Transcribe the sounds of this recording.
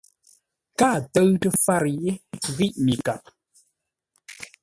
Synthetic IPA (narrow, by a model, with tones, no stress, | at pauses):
kaː˦˨tə˦ɰtə˦fa˦ɾje˦ɣi˦ʔmi˨ka˨p̚